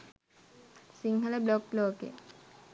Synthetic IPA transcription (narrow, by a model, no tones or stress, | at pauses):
siŋɦələblokloːkḛ